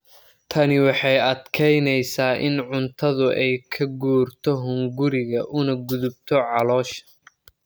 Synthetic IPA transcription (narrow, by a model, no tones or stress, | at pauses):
t̪ʰɐnɪwɑħɑjɐd̪kʰɛjnɛjsaːʔɪ̰nʕʊnt̪ʰɐðʊʔɛjkʰɐɡuːrt̪ʰɔɦʊŋɡʊɾɪɣɐʔʊnɐɡʊðʊb̚t̪ʰɔʕɑlɔːʃɐ̥